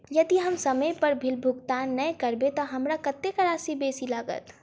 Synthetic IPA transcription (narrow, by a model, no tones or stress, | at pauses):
jɐd̪iɦɐmsɐməjpɐɾbʱɪlbʱʊɡt̪aːnːɐ̃kɐɾbet̪oɦɐmɾakɐt̪ːekaɾaːsibeːsilaːɡə̰t̪